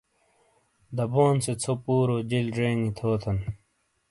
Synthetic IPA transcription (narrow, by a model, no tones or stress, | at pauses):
d̪ɐboːnset͡sʰopuːɾod͡ʑilɖeːŋit̪ʰoːt̪ʰɐn